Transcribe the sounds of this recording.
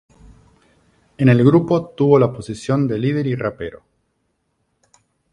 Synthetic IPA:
ene̞lɣɾupot̪uβo̞laposisjo̞nd̪elið̞eɾirapeɾo̰

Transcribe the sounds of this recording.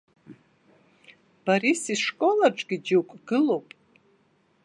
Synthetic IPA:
b̥aɾisiʂkʼolarʈ͡ʂʼɡʲid͡ʒiwkʷʼɡɨlo̞wpʼ

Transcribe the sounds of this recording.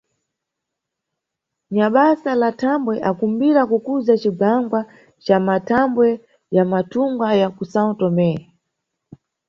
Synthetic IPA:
ɲaɓasalatʰambwɛʔakumbiɾakukuzat͡ʃiɡaŋɡwa | t͡ʃamatʰambwɛ | jamatʰuŋɡajakusatɔmɛa

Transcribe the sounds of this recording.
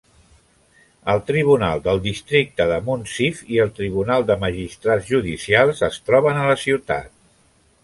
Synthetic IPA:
əlˠt̪ɾiβ̞una̰lˠd̪əlˠd̪ist̪ɾik̚t̪əðəmunsifiəlˠt̪ɾiβ̞unalˠd̪əməʒist̪ɾazʒuðisialˠzəst̪ɾɔβənələsiwt̪a̰t̪̚

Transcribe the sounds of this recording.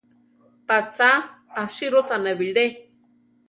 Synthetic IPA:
pat͡saː | ʃiɾot̪aneβile

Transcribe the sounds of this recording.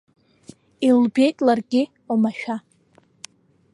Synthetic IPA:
ilbe̞jtʼlarɡʲɪ | omaʃᶣa

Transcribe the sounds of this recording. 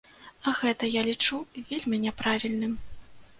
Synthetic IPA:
ɐɣɛt̪ɐjalʲit͡ʂuvʲelʲmʲinʲɛpɾavʲilʲnɨm

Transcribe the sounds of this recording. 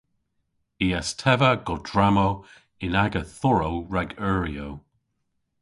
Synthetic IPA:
iːastʰɛvəɡɔdɹamo | ɪnaɡəθʊɹowɹaɡɜːɹiow

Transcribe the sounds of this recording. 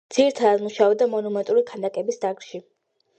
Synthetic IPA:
d̪z̥iɾt̪ʰad̪muʃaɔd̪amɔnɔmɛnt̪ʼuɾikʰanakʼɛbisd̪aɡɾʃi

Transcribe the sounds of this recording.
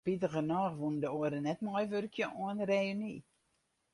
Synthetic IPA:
pitəɣənɔːxʋundəoəɾənɛtmɔjʋørkjəʔɔənreːni

